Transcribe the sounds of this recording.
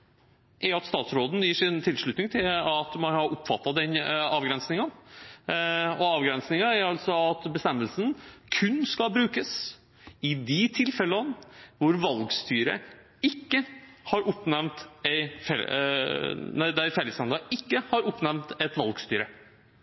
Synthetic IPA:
ʔæɑt̪st̪ɑːt̪sɾoːd̪n̩jiːʂɪnt̪ʰɪlʂɭʉt̪nɪŋt̪ʰɪlɑt̪mɑnhɑɾʔʊpːfɑt̪ːɑd̪ɛnɑːʋɡɾɛnsnɪŋən | ɔɑːʋɡɾɛnsnɪŋɑæɾɑlsɔɑt̪bəst̪ɛmːəlsənkʰʉnːskɑbɾʉːkəs | ɪd̪ɪt̪ʰɪlfɛlənʋʊɾʋɑlɡst̪yːɾə̰ | ɪkːəhɑɾʔʊpːnɛmt̪ɛɪfɛ | næd̪æfɛləslɑnɑɪkːəhɑɾʊpːnæʋmt̪ɛt̪ʋɑlɡst̪yːɾə

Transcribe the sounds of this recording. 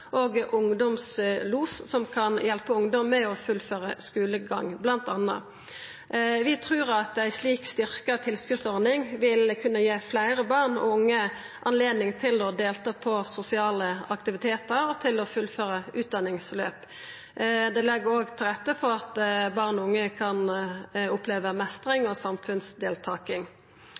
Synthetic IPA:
ʔoːɡʔʊŋd̪ɔmsluːssɔmkʰɑnjɛlpəʊŋd̪ɔmːɛɔfʉlføːʁəskʉːləɡɑ̰ŋːblɑnt̪ɑnːɑ̰ | ʋɪt̪ʰʁʉːʁɑt̪æɪsliːkst̪ʏʁkət̪ʰɪlskʉt̪sɔʁnɪŋʋɪlkʰʉnːəjeːflæɪʁəbɑːʁnɔ̰ʊŋːə | ʔɑnleːd̪nɪŋt̪ʰɪlɔd̪eːlt̪ɑːpʰɔsʊsɪɑːləɑkt̪ɪʋɪt̪ʰeːt̪əɾɔt̪ʰɪlɔfʉlføːʁəʔʉːt̪̚d̪ɑnɪŋslø̰ːp | d̪ɛlɛɡːəɾoːɡt̪ʰɪlʁɛt̪ːəpɔɑt̪bɑːʁnɔʊŋːəkʰɑnʊpleːʋəmɛst̪ʁɪŋɔsɑmfʉnsd̪eːlt̪ʰɑːkɪŋ

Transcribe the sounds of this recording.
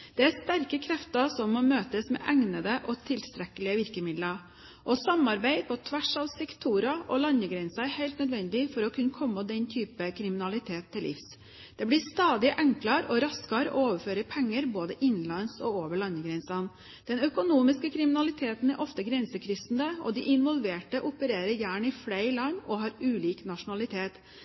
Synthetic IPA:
d̪̥ɛæɾst̪æɾkəkʰɾɛft̪əsɔmːɔmøːt̪əsmɛ̰ʔæŋnəd̪əʔɔt̪ʰɪlst̪ɾɛkəlɪəʋɪɾkəmɪd̪lə | ʔɔsɑmɑɾbæɪpʰɔt̪ʰʋæʂɑʋsɛkt̪ʰuːɾɑʔɔlɑnəɡɾɛnsɑæɾhæɪlt̪nœd̪ʋɛnd̪ɪfɔɾɔkʰʉnːkʰɔmːəd̪ɛnt̪ʰyːpəkʰɾɪmɪnɑlɪt̪ʰeːt̪ʰːɪlʔɪ̰fs | d̪̥ɛblɪst̪ɑːd̪ɪʔɛŋklɑɾɔɾɑskɑɾɔ̰oːʋəføːɾəpʰɛŋːəɾboːd̪əʔɪnlɑnsɔoːʋəɭɑnːəɡɾɛnsɑn | d̪̥ɛnœkʊnuːmɪskəkʰɾɪmɪnɑlɪt̪ʰeːt̪n̩æɾʔɔft̪əɡɾɛnsəkʰɾʏsnd̪əɔ̰d̪ɪʔɪnʋɔlʋeːʈəʔʊpəɾeːɾəɾjæːɳɪfleɪɾlɑŋɔɦɑːɾʉːliːknɑʂʊnɑlɪt̪ʰeːt̪

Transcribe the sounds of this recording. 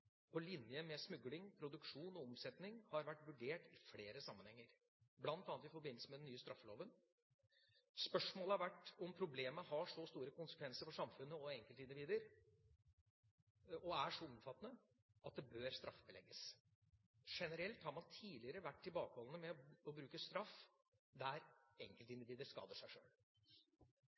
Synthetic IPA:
pʰɔlɪnjəmɛsmʉɡlɪŋpʰɾʊd̪ʉkʂuːnɔɔmsɛt̪nɪŋhɑɾʋæʈːʋʉɖeːʈɪfleːɾəsɑmːənhɛŋːəɾ | blɑnt̪ɑːnt̪ɪfɔɾbɪnːlsəmɛd̪ɛnːyːəst̪ɾɑfːəlo̰ːʋən | spœʂmoːləæɾʋæʈːɔmpʰɾʊbleːməhɑʂɔst̪uːɾəkʊnsə̥kʰʋɛnsəɾfɔʂɑmfʉnːəɔɛŋkəlt̪əɪnd̪ɪʋiːd̪əɾ | ɔæʂɔɔmfɑt̪ːnə | ɑt̪̚d̪ɛbøːɾst̪ɾʔɑfːəbəlɛ̰ɡːəs | ʂɛnəɾɛlt̪hɑɾmɑnt̪ʰiːlɪəɾəʋæʈːɪlbɑːkhɔlənəmɛɔɔbɾʉːkəst̪ɾɑf | d̪æɾɛŋkəlt̪ɪnd̪ɪʋiːd̪əɾskɑ̰ːd̪əʂæɪʂø̰ːl

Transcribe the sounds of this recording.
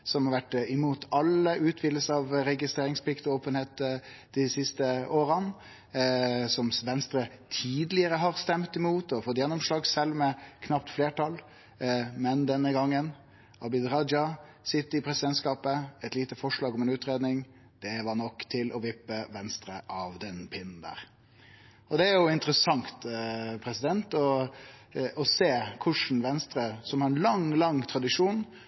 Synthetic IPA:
sɔmhɑɾʋæʈːɪmuːt̪ʰɑləʔʉːt̪ʰʋɪːd̪ləsəɑʋɾɛɡɪst̪ɾeːɾɪŋspʰlɪkt̪ɔoːpənheːt̪d̪ɪsɪst̪əʔoːɾən | sɔmʋɛnst̪ɾət̪ʰiːd̪lɪəɾəɦɑɾst̪ɛmt̪ɪmuːt̪ɔfɔt̪ːjɛnːɔmʂɭɑːɡsɛlːmɛkʰnɑpt̪fleːʈʰɑl | mɛnd̪ɛnːəɡɑŋːən | ɑbɪd̪ɾɑd͡ʒɑ | sɪt̪ːəɪpʰɾɛsɪd̪ɛnt̪skɑːpəɛt̪liːt̪əfɔʂɭɑːɡɔmɛnʉːt̪ɾeːd̪nɪŋ | d̪̥ɛʋɑɳɔkːt̪ʰɪlʔɔʋɪpːəʋɛnst̪ɾəʔɑʋd̪ɛnpʰɪnːn̩d̪æ̰ːɾ | ɔd̪ɛæɾjʊɪnt̪əɾəsɑŋt̪pʰɾɛsɪd̪ɛnt̪ɔ | ʔɔseːkʰʊʂn̩ʋɛnst̪ɾəsɔmhɑɾɛnlɑŋlɑŋt̪ʰɾɑd̪ɪʂuːn

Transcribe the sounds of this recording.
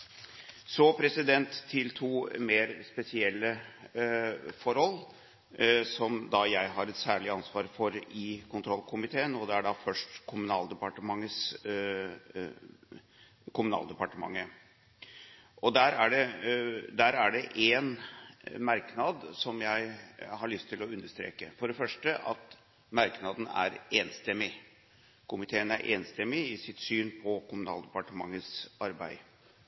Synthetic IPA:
sɔpʰɾɛsɪd̪ɛnt̪ʰːɪlt̪ʰuːmeːɾspɛsɪɛlːə | fɔɾhɔlː | sɔmd̪ɑjæɪɦɑɾɛt̪sæːɭɪɑnsʋɑːɾfɔɾɪkʰʊnt̪ʰɾɔlkʰʊmɪt̪ʰeːənɔd̪ɛæɖɑfœʂʈkʰʊmʉnɑ̰ːld̪əpɑʈəmɑŋːəs | kʰʊmʉnɑ̰ːld̪ɛpɑʈəmɑ̰ŋːə | ʔɔd̪æɾæɖɛ | d̪æɾæɖɛʔen | mɑɾknɑd̪sɔmjæɪɦɑɭʏst̪ʰːɪlɔʉnd̪əʂt̪ɾḛːkəfɔɖɛfœʂʈəʔɑ̰t̪ | mɑɾknɑd̪n̩æ̰ɾeːnst̪ɛmːɪ | kʰʊmɪt̪ʰeːənæɾʔeːnst̪ɛmːɪɪsɪt̪syːnpʰɔkʰʊmʉnɑ̰ːld̪əpɑʈəmɑŋːəsɑɾbæ̰ɪ

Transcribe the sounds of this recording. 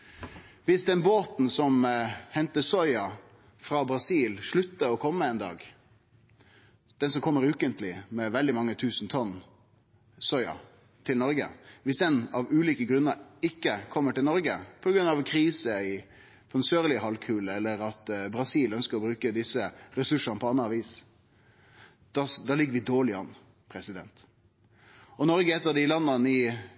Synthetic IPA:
ʋɪsd̪ɛnboːt̪n̩sɔmhɛnt̪əsɔʏɑ | fɾɑbɾɑsiːlʂɭʉt̪ːəɔkʰɔmːəɛːnd̪ɑ̰ːɡ | d̪̥ɛnsɔmkʰɔmːəɾʉːkənt̪lɪmɛʋɛld̪ɪmɑŋːət̪ʰʉːsn̩t̪ʰɔnː | sɔʏɑ̰ | t̪ʰɪlnɔɾɡə̰ʋɪsd̪ɛnɑʋʉːliːkəɡɾʉnːəɾɪkːəkʰɔmːəʈɪlnɔɾɡəpʰɔɡɾʉnɑʋkʰɾiːsəɪ | pʰɔd̪nsøːʁlɪəhɑlkʰʉːləɛlːəɾɑt̪bɾɑsiːlœnskəɾɔbɾʉːkəd̪ɪsːəɾɛsʉʂənəpʰɔɑnːəɑʋiːs | d̪̥ɑd̪ɑːlɪɡːəɾʋɪd̪oːlɪɑ̰n | pʰɾɛsɪd̪ɛnt̪ | ɔnɔɾɡəɛt̪ːəd̪ɪlɑnːənɪ

